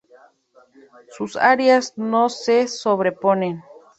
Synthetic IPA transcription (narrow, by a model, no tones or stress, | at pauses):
susaɾjasnosesoβɾeponen